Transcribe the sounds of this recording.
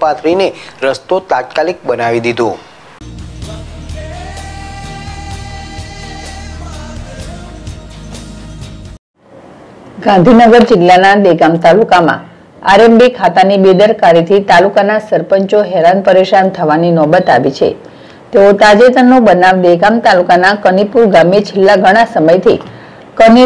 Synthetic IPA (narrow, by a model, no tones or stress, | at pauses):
pat̪ʰɾineɾəst̪ot̪at̪̚kalik̚bənaʋid̪id̪ʱõ | ɡãnd̪ʱinəɡəɾd͡ʒɪlːanad̪eɡamt̪alukamã̰ | a̰ɾembikʰat̪anibed̪əɾkaɾit̪ʰit̪alukanasəɾpəɲt͡ʃoɦɛɾanpəɾeʃant̪ʰəʋaninɔbət̪aʋit͡ʃʰḛ | t̪eot̪ad͡ʒet̪ənobənaʋd̪eɡamt̪alukanakənipuɾɡamet͡ʃʰelːaɡʱəɽ̃asəməjt̪ʰḭ | kəni